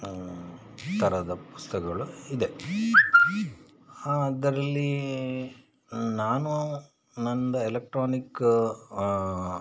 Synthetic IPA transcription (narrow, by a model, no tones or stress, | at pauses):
t̪ɐɾɐd̪ɐpu̥st̪ɐkɐɡɐɭuid̪e̞ | d̪ɐɾɐlːi | naːnu | nɐnd̪ɐelek̚ʈɾoːnik